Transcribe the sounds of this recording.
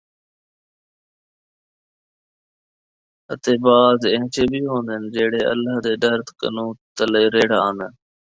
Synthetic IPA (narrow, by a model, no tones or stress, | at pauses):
ət̪eːbaːzẽɦt͡ʃeːbiːɦõːnd̪ənd͡ʒeːɽeːʔə̰lːaːɦd̪eːɖəɾt̪kə̰nũːt̪əleːɾeːɽaːnd̪ə